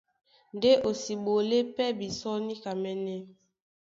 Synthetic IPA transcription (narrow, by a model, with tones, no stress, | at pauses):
n˨de˦ʔo˨si˨ɓo˨le˦pɛ˦bi˨sɔ˦ni˦ka˨mɛ˦nɛ˦